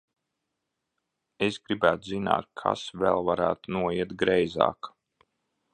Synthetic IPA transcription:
esɡɾibæːt̪uzina̰ːt̪̚kʰa̰svɛlˠvaɾæːt̪unuɔiɛt̪ɡɾɛjzɑ̰ːk

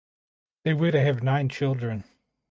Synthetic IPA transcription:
ðeɪwəɾɨɨvnãɪ̃nt͡ʃʰɪlˠdɹɨ̃n

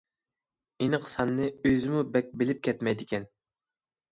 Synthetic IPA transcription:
enəqsɑnːɨøzɪmubɛk̚ʲbɪlɪp̚kʲʰɛt̪mɛjd̪ɪkʲɛn

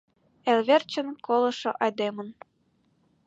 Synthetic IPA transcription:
elβert͡ɕə̆nkolˠɤ̆ʃɤ̆ʔɑjd̪emə̆n

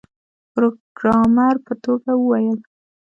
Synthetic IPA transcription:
pɾoɡɾɑmaɾpət̪oɡawəwajəl

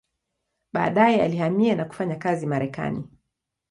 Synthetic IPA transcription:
ɓa̰ːɗajɛalihamianaku̥faɲakazimaɾɛka̰nḭ

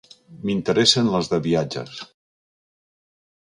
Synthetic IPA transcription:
mint̪əɾɛsənləzðəβiad͡ʒə̰s

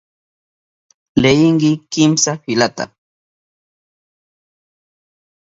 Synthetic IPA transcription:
lejɪŋkɪkɪmsafɪlat̪a̰

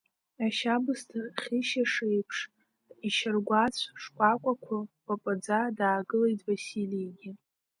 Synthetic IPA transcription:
aʃabɨstʰɨrχʲiʃaʂejpʰʂ | iʃɪrɡʷat͡sʷʰʂkʷʼakʷʼakʷʰʊpʼapʷʼɨd͡zadaːɡɨlejtʰʼvasilieɡʲɪ

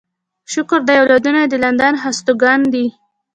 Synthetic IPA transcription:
ʃʊkʊɾd̪ajawlɑd̪unad̪əland̪anɦast̪oɡɑnd̪i

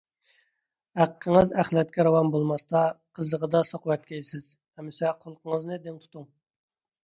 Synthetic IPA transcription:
hæqʰːəŋəzæχlˠɛt̪̚kʲɛɾɑwɑmbolˠmɑst̪ɑqʰəzəʁəd̪ɑsɑqʰəwɛt̪̚kʲʰɛjsɪz̥ | ɛmːɪsɛqʰolˠqəŋəznɨd̪eŋt̪ʰu̥t̪uŋ

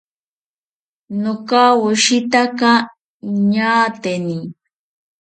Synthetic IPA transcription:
nokawʊʃɪt̪aka | ɲaːt̪eni

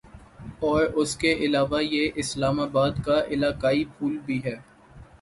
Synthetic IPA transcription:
ɔːɾʊskeʔɪlaːʋajeʔɪslaːmaːbaːd̪kaʔɪlaːkaːipʰuːlbʱiɦɛː

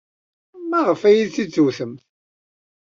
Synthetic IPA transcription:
mæʁəfæjiðt͡sːit͡sːuθəmθ

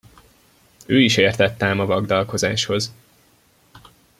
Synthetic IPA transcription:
øːiʃeːrt̪ɛt̪ːɛmɒvɒɡd̪ɒlko̞zaːʃho̞z

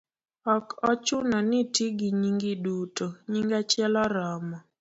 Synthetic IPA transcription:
ɔkɔt͡ʃʊnɔnɪtiɡiɲiŋɡidutoɲiŋɡat͡ʃɪɛlɔɾɔmɔ

